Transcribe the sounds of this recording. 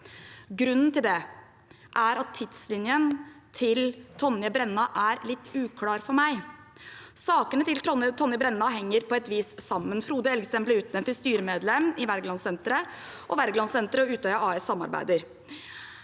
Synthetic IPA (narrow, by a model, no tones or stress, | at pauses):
ɡɾʉnːn̩t̪ɪld̪ɛ | ʔæɾɑt̪ʰːɪd̪slɪnjənt̪ʰɪlt̪ʰɔnjəbɾɛnːɑʔæɾlɪt̪ːʉːkʰlɑːɾfɔɾmæɪ | sɑːkənət̪ɪlt̪ɔət̪ʰɔnjəbɾɛnːɑɦɛŋːəɾpʰɔɛt̪ʋiːssɑmːənfɾuːd̪əɛlɡst̪ɛmpləʉːt̪nɛmt̪ːɪst̪yːɾəmeːd̪lɛmːɪʋæɾɡlɑnsɛnt̪ɾəʔɔʋæɾɡlɑnsɛnt̪ɾəɔʉːt̪œʏɑʔɑːɛsɑmːɑ̰ɾbæ̰ɪd̪əɾ